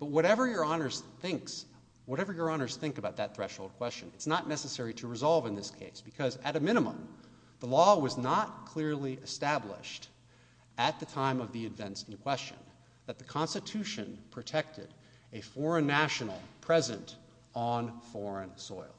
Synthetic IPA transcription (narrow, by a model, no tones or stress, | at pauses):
b̥ʌt̚wʌɾɛvə˞jə˞ɑnə˞z̥θɪ̃ŋks | wʌɾɛvə˞jə˞ɑñə˞z̥θɪ̃ŋkəbaʊt̪̚ðɨt̪̚θɹɛʃhoʊlˠd̚kʰw̥ɛst͡ʃɨ̃nɨtsnətⁿnɛsɨsɛɹiɾɨɹɨzɑlˠvə̃nðɪskʰeɪsb̥ɨkʰʌzɨɾɨmɪ̃ɾ̃ɨmə̰̃m | ðəlɔwʌznət̚kʰl̥ɪɹliʔɨstæblɪ̰ʃt | ɨt̪̚ðɨtʰãɪ̃mʌvðiɨdvɛ̃ntsn̩kʰw̥ɛst͡ʃɨ̰̃n | ðɨt̪̚ðɨkʰɑ̃nstɨtʰʉʃɨ̰̃npʰɹ̥ɨtʰɛk̚tɨɾ | ɨfɔɹɨ̃nːæʃnl̩ˠpʰɹ̥ɛzɨ̃nt | n̩fɔɹɨ̃nsɔ̰ɪlˠ